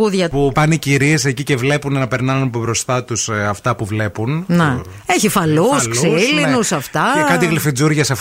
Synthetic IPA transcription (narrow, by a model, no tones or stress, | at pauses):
uðʝɐpupɐniciɾie̞se̞cice̞vle̞punenɐpe̞ɾnɐnunɐpobɾo̞st̪ɐt̪usɐft̪ɐpuvle̞punne | eçifɐluslkssilinusɐft̪ɐekɐt̪iɣlifid͡zuɾʝɐsef